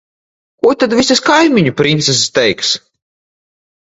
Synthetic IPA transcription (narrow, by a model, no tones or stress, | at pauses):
kuɔt̪ad̪vʲisaskajmʲiɲupɾĩnt̪sɛs̬st̪ɛjks